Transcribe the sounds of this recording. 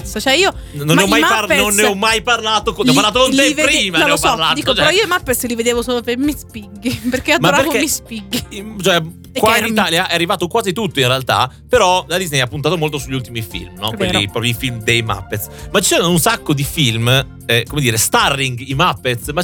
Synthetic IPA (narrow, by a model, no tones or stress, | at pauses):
sot͡ʃɛiːo | nonːɔmmajmaanonːeɔmːajparlaːt̪okneɔpːaɾlaːt̪̬okonlɛvɾiːmaneopalat̪it͡ʃɛɾɔiːoemapːet̪slived̪eːvosoːlopemispiɡːipeɾkːeadmaoɾapeɾvokemispiɡːit͡ʃoɛ | kwait̪aljaʔɛarːivaːt̪okwaːzit̪ut̪ːoinrealt̪a̰peɾɔlad̪iznejapːunt̪aːt̪omolt̪osuʎːult̪imifḭlmnɔeɾlipɾɔpɾjoifilmd̪ejma̰pːet̪smat͡ʃi̥t͡ʃɛɾanunsakːod̪ifilm | ɛkomed̪iːɾest̪arːiŋɡimapːet̪sma